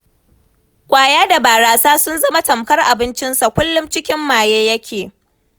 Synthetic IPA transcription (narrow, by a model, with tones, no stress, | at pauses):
kʷʼaː˨jaː˦da˨baː˨ɽaː˨saː˦sʊ˦nzɐ˦ma˦tɐ˨mkɐ˦rʔa˨bɪ˦nt͡ʃɪ˦nsa˨kʷʊ˦lːʊ˦mt͡ʃɪ˦kʲɪ˦mːaː˨jeː˦jɐ˦kʲʰeː˨